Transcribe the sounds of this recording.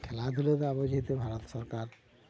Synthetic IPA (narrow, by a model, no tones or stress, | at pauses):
kʰɛlad̪ʱulet̪eabɔd͡ʒʱit̪ebʱaɾɔt̪sɔɾkaɾ